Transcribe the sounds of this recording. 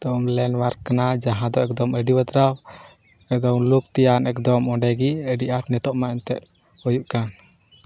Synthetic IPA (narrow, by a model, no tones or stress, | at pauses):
d̪̥ɔmlɛnwaɾkkanad͡ʒaɦãd̪ɔɛk̚d̪ɔməɖibət̪ɾaw | ɛkd̪ɔmlukt̪ɛjanɛkd̪ɔmɔɳɖɛɡiəɖiʔaʈnɛt̪ɔʔmaɛnt̪ɛ̰ʔ | hɔjuʔkan